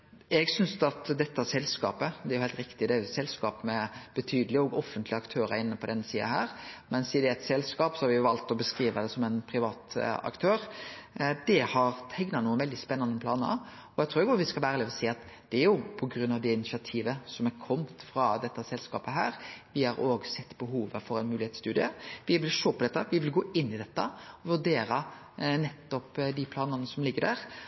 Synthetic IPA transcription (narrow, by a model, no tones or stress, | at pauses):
ɛɡsʏnsɑt̪d̪ɛt̪ːəsɛlskɑ̰ːpəd̪ɛæɾjʊhɛɪlt̪ɾɪkt̪ɪd̪ɛæɾjʊsɛlskɑːpmɛb̥ət̪ʰyːd̪əlɪɔɡɔfːənt̪lɪɑkt̪ʰøːɾəɪnːəpʰɔd̪ɛnːsiːɑ̰hæːɾmɛnsiːd̪ɛæɪt̪sɛlskɑːpsɔhɑɾʋɪjʊʋɑlt̪ɔbəskɾiːʋəd̪ɛsɔmɛnpʰɾɪʋɑːt̪ɑ̰kt̪ʰøːɾ | d̪ɛhɑɾt̪ʰɛŋnɑnuːənʋɛld̪ɪspɛnːɑnːənpʰlɑːnə | ɔjæɪt̪ʰɾuːɾɪɡʊʋɪskɑʋæːɾəlɪɔsiːɑt̪ | d̪̥ɛæɾjʊpʰɔɡɾʉnːɑʋd̪ɛɪnɪʃɪɑt̪ʰiːʋəsɔmæɾkʰɔmt̪fɾɑd̪ɛt̪ːəsɛlskɑ̰ːpəɦæ̰ːɾʋɪhɑɾoːɡsɛt̪ːbəɦuːʋəfɔɾæɪnmʉːlɪheːt̪st̪ʉːd̪ɪəʋɪʋɪlʂoːpɔd̪ɛt̪ːəʋɪʋɪlɡoːʔɪnːɪd̪ɛt̪ːəɔʋʉɖ̪eːɾɑ | nɛt̪ːɔpd̪ɪpʰlɑːnənəsɔmlɪɡːədæːɾ